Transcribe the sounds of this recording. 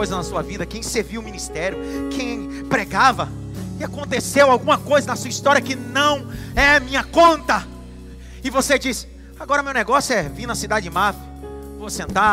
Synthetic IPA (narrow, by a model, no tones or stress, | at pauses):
ojzɐnɐsuɐvid̪ɐkẽj̃seɾviʊmĩnist̪ɛɾjʊkʰẽj̃ | pɾeɡavɐ | ɪakõnt̪esewawɡũmɐkojzɐnɐsuɐist̪ɔɾiɐkɪnɐ̃w̃ɛɐmĩɲɐkõnt̪ɐ | ɪvosed͡ʒisɪ̥ | aɡɔɾɐmewnɛɡɔsjʊɛvĩnɐsid̪ad͡ʒɪɪmaf | vosẽnt̪a